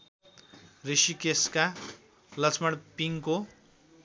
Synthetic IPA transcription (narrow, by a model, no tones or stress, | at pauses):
risikeska | lʌt͡sʰmʌɽpiŋko